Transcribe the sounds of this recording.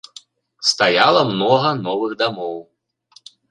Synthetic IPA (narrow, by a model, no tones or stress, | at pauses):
st̪ajalˠɐmnɔɣɐnɔvɨɣd̪amɔw